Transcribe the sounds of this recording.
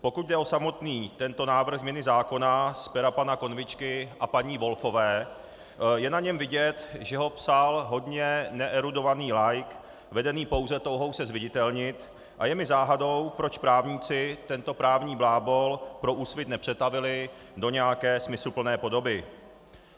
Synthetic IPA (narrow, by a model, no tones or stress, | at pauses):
po̞kut̪̚dɛʔo̞samo̞t̪niːt̪ɛnt̪o̞naːvr̩ɣzmɲɛnɪzaːko̞naspɛɾapanako̞nvɪt͡ʃkɪʔapaɲiːvo̞lfo̞vɛː | jɛnaɲɛmvɪɟɛt̪ʒɛɦo̞psalɦo̞dɲɛnɛʔɛɾudo̞vaniːlajk | vɛdɛniːpo̞wzɛt̪o̞wɦo̞wsɛzvɪɟɪt̪ɛlɲɪt̪ | ʔa̰jɛmɪzaːɦado̞wpɾo̞t͡ʃpɾaːvɲiːt͡sɪt̪ɛnt̪o̞pɾaːvɲiːblaːbo̞lpɾo̞ʔuːsvɪt̪nɛpr̝̥ɛt̪avɪlɪ | do̞ɲɛjakɛːsmɪslupl̩nɛːpo̞do̞bɪ